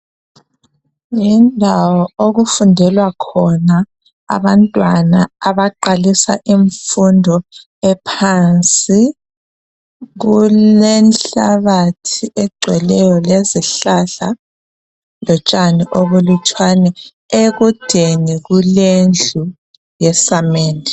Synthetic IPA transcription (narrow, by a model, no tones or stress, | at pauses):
jindʱawɔoɣufundʱɛlwakʰɔna̰ː | βantʼwanaaβaǃalisa̰ʔiɱfundʱɔ | ɛpʰant͡sʼi | ɣulɛnɬaβatʰiʔɛɡ͡ǀʱwɛlɛjɔleziɬaɬa̰ | lɔt͡ʃʼaniʔoβulut͡ʃʼwanɛ | eɣud̥ʱeniɣulend͡ɮʱu | jɛsameːni